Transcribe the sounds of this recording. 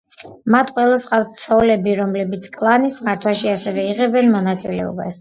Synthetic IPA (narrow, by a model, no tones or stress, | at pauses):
mat̪ʰqʼwɛlˠasqʼaft̪̚t̪sʰɔlɛbiɾɔmlɛbit̪sʰkʼlˠanismaɾt̪ʰwaʃiasɛvɛiʁɛbɛnmɔnat̪sʼilɛ̰ɔ̰ba̰s